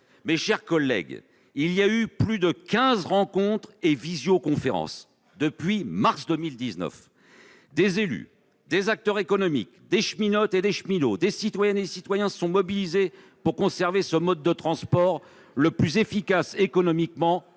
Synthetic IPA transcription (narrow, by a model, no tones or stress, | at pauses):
mɛʃɛʁkɔlːɛ̰ɡ | ilijayplyd̪əkʲɛ̃zʁɑ̃kɔ̃t̪χevizjokɔ̃feʁɑ̰̃s | d̪əpɥimaʁsd̪əmild̪iznœ̰f | d̪ezely̰ | d̪ezak̚t̪œʁekɔnɔmḭk | d̪eʃminɔt̪ed̪eʃminod̪esit̪wajɛnesit̪wajɛ̃sɔ̃mɔbilize | puʁkɔ̃sɛʁvesəmɔd̪̚ːət̪χɑ̃spɔʁ | ləplyzefikasekɔnɔmikmɑ̃